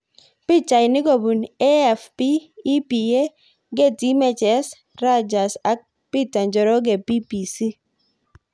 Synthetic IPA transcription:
pi˦t͡ʃa˨jni˦ɡɔ˨bu˨ne˦ɛ˨fpiː˦pi˨je˦ | ɡe˦˨ti˨˦mɛ˦˨t͡ʃɛ˨˦s | ɾa˦d͡ʒa˨sa˦k̚ | pi˦˨ta˨nd͡ʒɔ˨ɾɔ˦ɡe˨pi˦pi˨si˦

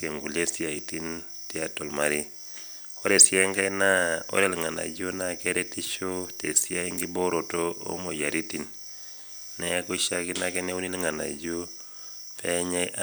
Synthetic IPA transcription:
ke˨ŋɡu˨le˦si˦a˨i˨ti˦n | ti˦a˦to˨lma˨ɾi˦ | o˦ɾe˨sja˦i˦ŋɡa˦ina˦o̰˦ɾɛ˦lŋa˨na̰˨d͡ʒo˦na˦kɛ˦ɾɛ˦ti˦t͡ʃo˦te˨sia˦i˦ŋɡi˦bo˦ɾo˨to˦o̰˦mo˨ja˨ɾi˦ti˨n | nɛ˦ku˦ʃa˦ki˦na˦kɛ˦ne˦u˦ni˦lŋa˨na̰˨d͡ʒo˦ | pʰɛɲa˦ʔ

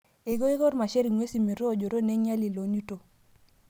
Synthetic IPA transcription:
e˨ɡo˦e˦ɡo˦ɾma˨ʃe˦ɾi˨ŋwe˦si˨mi˨ɾo˦˨d͡ʒo˨ɾo˦ne˦ɲa˦li˨lo˨nu˦to˨

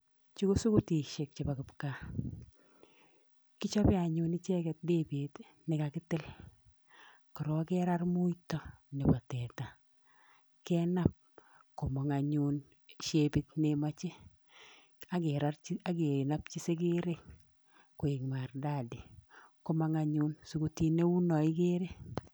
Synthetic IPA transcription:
t͡ʃi˦ko˦su˦ku˦ti˨ʃe˨k̚t͡ʃe˨ba˨ku˨pka˨ | ki˦t͡ʃɔ˦pɪ˦a˨ɲunit͡ʃɛ˦kɛt̚de˦be˨t | nɪ˨kakɪtɪ˦l | ki˨ɾɔ˦kɛ˦ɾa˦rmu˦jtɔ˦nɪ˨ba˨tɛ˨ta˨ | kɛnap̚ | ko˨ma˨ŋa˨ɲu˦n | ʃe˦bi˦tnema˦t͡ʃe˦ | a˨eɾaɾa˦ɡe˨na˦p̚t͡ʃi˦se˦ɡe˦ɾe˦ | ku˨e˨ŋma˨rda˦di˨ko˦maŋa˦ɲunsu˨ɡuti˦ne˦u˦nɔ˨ɪ˦ɡe˦ɾe˦

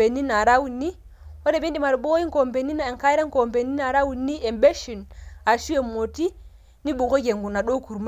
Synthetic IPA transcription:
e˨ni˦na˨ɾa˦wu˨nːi˦ | wo˦de˨bi˦ndi˨ma˨ɾbo˦ji˦ŋ˦ko˨mbe˨ni˦na˨ŋka˦jɾe˦ŋ˦ko˨mpe˨ni˦na˨ɾa˦wu˨nːi˦e˨mbe˦ʃi˨na˨ʃu˦e˨mo˨ti˦ | ni˦bu˨ko˦ɡe˨ŋɡu˨na˨ɗo˦ku˨ɾma˦

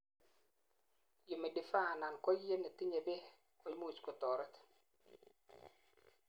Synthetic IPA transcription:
jo˨me˨dɪ˨fa˦˨na˨nkɔ˦e˦ne˨t̪i˦ɲe˨be˦ | ko˨˦jm˦u˨t͡ʃko˨t̪ɔ˨ɾɔ˦t̪

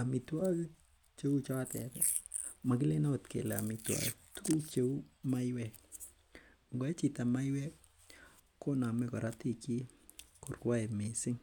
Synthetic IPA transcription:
a˨mi˨twa˦l | t͡ʃe˦u˦t͡ʃɔ˦tɛ˨tɛma˨k̬ɪ˦le˦na˦o˨t̪kḛ˨la̰˨mi˨twa̰tu˦ku˦t͡ʃe˦u˦ma˦jwɛ˦k | ŋɡɔ˨ɛ˦t͡ʃi˨ta˨ma˦jwɛ˦k | ko˦na˨mɛ˦kɔ̰˨ɾa˦ti˦˨ki˦ | ko˨rkwa˦e˨mɪ˨sɪ˦ŋ

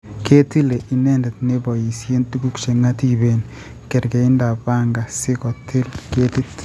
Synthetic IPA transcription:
ke˦ti˦le˨ʔi˨nɛ˦ndɛ˨t̚ne˦bɔ˨ji˨sje˦ntuɡu˦kʃe˨ŋa˦ti˨be˨n | ke˨ɾke˨i˦nda˨ba˦ŋɡa˨sɪ˦kɔ˨tʰɪ˦lke˦ti˦t

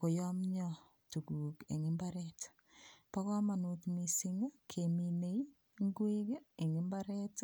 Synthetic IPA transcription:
ko˨jɔ˦mɲɔ | tu˨ku˨kḛ˨ŋɪ˦mbaɾɛtḁ | pa˦ka˦ma˨nu˨tmi˨si˦ŋa˦kʰemi˨ne˦i | ŋɡwi˦ke˦e˨ŋɪ˦mbaɾɛ˦t

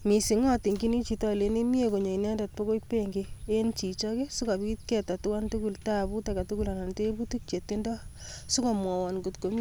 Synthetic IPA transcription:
mi˨si˨ŋɔ˦ti˨ŋɡi˦ni˦t͡ʃi˨tɔ˦le˨˦ni˦mi˦e˦ko˨ɲɔ˨i˨nɛ˦nda˨t̚po˦ko˦pe˦ŋɡee˦nt͡ʃi˨t͡ʃɔke˦su˦ka˨pi˦t̚kɛ˨ta˨tu˦ka˦ntu˦ku˨lta˦bu˦ta˨ka˨tu˦ku˦la˨na˨n˨te˦bu˦tu˦k̚t͡ʃe˨tːe˦ndɔ˦ | su˦ko˨mwɔ˨wɔ˨nɡu˨tko˨˦m

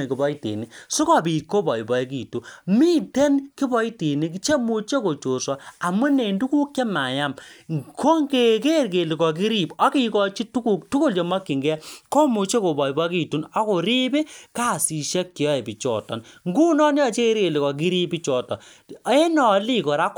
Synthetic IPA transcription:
e˨ki˨bɔ˦i˦tḭ˨ni˨su˦kɔ˦˨bi˨tko˦bɔ˨i˨bɔ˨e˦ki˨tu˨mi˦tɛ˦nki˦bɔ˦i˦ti˨ni˦k̬i˦t͡ʃe˦mu˧t͡ʃe˦ko˨t͡ʃo˨sɔ˨a˨mu˦ne˨ndu˦ku˦kje˦ma˨ja˦˨mkʰo˦ŋɡe˨ke˦ɾke˨li˨kɔ˨k̬i˦ɾi˦˨bɔ˦ki˦kɔ˦t͡ʃi˦tu˦ku˨k̚tu˦ku˦lt͡ʃɔ˨ma˦kːi˨ŋɡɛ˦ko˦mu˨t͡ʃe˦ko˨bɔ˨i˨bɔ˦ki˦˨tu˨nɔ˦ko˨ɾi˦be˦ka˦˨si˨ʃɛ˦kːi˨jɔ˦e˨bi˨t͡ʃɔ̰˨tɔ̰˨nŋɡu˦nɔ˦n˦ɔ˨t͡ʃe˦e˦ɾke˨li˨kɔ˨k̬i˦ɾi˦pi˦t͡ʃɔ˨tɔ˨˦ | e˦nɔ˨li˦kɔ˨ɾa˦k

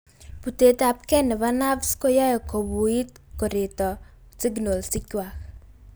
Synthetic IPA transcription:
pu˨te˨ta˨p̚kɛ˦nɪ˨βa˦na˦bsko˦jɔ˦jɔ˨ko˨bu˨i˦t | ko˨ɾe˨tɔ˨ | sɪ˦ɡno˨lsɪ˦kʲwa˨k

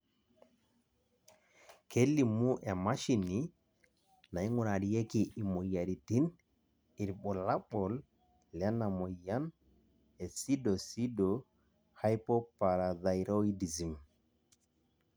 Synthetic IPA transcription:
kʰe˦lːi˨mːu˦ʔɛ˨ma˦ʃi˨ni | na˨i˦ŋu˨na˨di˨je˦ki˨ʔi˨mo˨ja˨ɾi˨ti˦n | i˨ɾɓɔ˨la˦ɓɔ˨l | lɛ˦na˨mo˨ja˦n | e˨si˦do˨si˦dɔ | ha˦jpɔ˦paɾa˨ða˨jɾo˦i˦di˨zi˨m

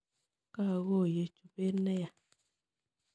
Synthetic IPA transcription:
ka˦˨ɣo˦˨je˨t͡ʃu˨be˦nɛ˦ja˨

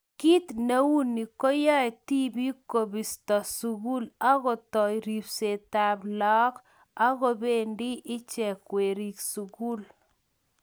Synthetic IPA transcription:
ki˦tne˦wu˦ni˨kɔ˦ja˦˨ti˦bi˦ko˨bi˨stɔ˨su˨ɣu˦la˦ɣɔ˨tɔ˨i˨ɾi˨pse˨ta˨blɔ˦k | a˦ɣɔ˦be˦˨ndi˦ʔɪ˦t͡ʃɛ˨kwe˨ɾi˨ksu˨ɡu˦l

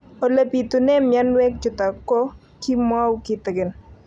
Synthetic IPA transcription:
o˨le˨pi˨t̪u˨nɛ˦mja˦nwɛ˦k̚d͡ʒʊ˨t̪a˨kɔ˦ | ki˦mwa˦wkɪ˦t̪ɪ˨ɡɪ˨n

